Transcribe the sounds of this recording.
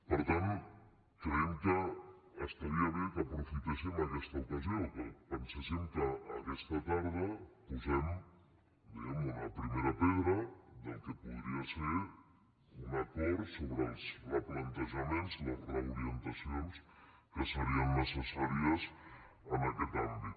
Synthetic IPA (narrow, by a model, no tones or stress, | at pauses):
pəɾt̪ant̪ | kɾeeŋkəːst̪aɾiaβekapɾufit̪esemakɛst̪aukaziokepansasemt̪aːkɛst̪at̪aɾðəpuzem | d̪iɣamunapɾimeɾapeðɾad̪elkepuðɾiaseɾ | unakoɾsoβɾelˠzraplant̪eʒamẽnzlazreuɾient̪asjons | keseɾiaŋːəsesaɾjas | anaket̪ambi